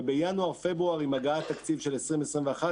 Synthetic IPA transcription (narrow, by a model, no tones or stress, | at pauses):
bejanuaʁfe̞bʁuaʁimaɡaat̪ːakt͡sivʃe̞lesʁimesʁimveaχa